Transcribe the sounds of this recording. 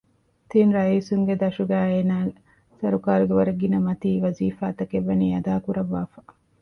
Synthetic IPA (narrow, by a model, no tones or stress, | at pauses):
t̪inɾɐiːsuŋɡed̪ɐʃuɡæːeːnaː | sɐɾukaːɾuɡeʋɐɾɐɡːinɐmɐt̪iːʋɐziːfaːt̪ɐkeʋːɐniːɐd̪aːkuɾɐʋːaːfɐ̥